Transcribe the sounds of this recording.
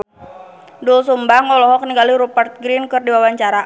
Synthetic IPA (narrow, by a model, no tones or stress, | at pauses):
duls̬umbaŋɔlɔɦɔkəniŋɡaliɾupart̪̚ɡɾinkərdiwawaɲt͡ʃaɾa